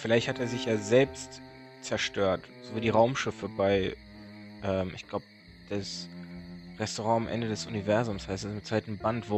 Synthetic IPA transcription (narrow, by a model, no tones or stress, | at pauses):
fɪlaɪçthateːɐzɪçjaːzɛlpst | t͡sɛɐʃtøːɐt | z̥oːviːdiːʁaʊmʃɪfəbaɪ | ʔɛːmʔɪ̰çɡ̥laʊbə | d̥es | ʁɛstoʁɑ̃ːamʔɛ̰ndədɛsʔunivɛɐzʊmshaɪstɛsɪmtt͡saɪtn̩bantv̥o